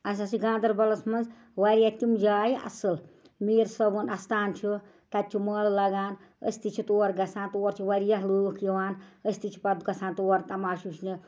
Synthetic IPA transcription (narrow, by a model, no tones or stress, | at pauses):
ɐs̬ɐsiɡãːnd̪ɐɾbɐlɐsmɐnz | ʋɐɾjɐt̪ʲimd͡ʒaːjiʔɐ̰sɨl | meːɾsɐbunɐst̪aːnt͡ʃʰi | t̪ɐt̪̚t͡ʃʰiməːllɐɡaːn | ə̰sʲt̪it͡ʃʰit̪oːɾɡɐsʰãːnt̪oːɾt͡ʃʰiʋɐɾjɐɦlukiʋaːnəsʲt̪it͡ʃʰi̥pɐd̪ɡɐsʰãːnt̪oːɐɾt̪ɐmaːʃuʃʰnɨ